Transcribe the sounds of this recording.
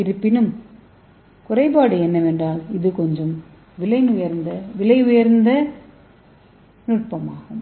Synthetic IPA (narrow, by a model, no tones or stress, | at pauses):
ɪɾɯpːɪnɯm | kʊrɐɪpaːɽɯɛnːɐʋɛndraːlɪðɯkɔɲd͡ʒɐm | ʋɪlɐɪnʊjɐɾnd̪ɐʋɪlɐɪʊjɐɾnd̪ɐ | nʊʈ̚pɐmaːɣɐ